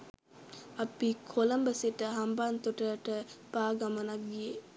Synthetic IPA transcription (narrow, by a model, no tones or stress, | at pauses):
ɐpikʰoləmbəseʈəɦambant̪uʈəʈəpaːɡamənak̚ɡije